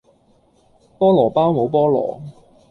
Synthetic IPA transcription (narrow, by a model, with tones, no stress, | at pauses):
pɔː˥lɔː˨˩paː˥wmo˨˧wpɔː˥lɔ̰ː˨˩